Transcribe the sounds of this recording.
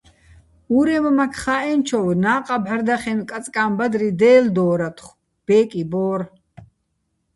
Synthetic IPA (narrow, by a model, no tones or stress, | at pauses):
uɾɛmmakʰχaɛnt͡ʃʰɔwnaːqʼabʕaɾd̪aχɛnkʼat͡sʼkʼaːmbad̪ɾid̪ɛːld̪ɔːɾat̪ʰχ | b̥ɛːkʼibɔːr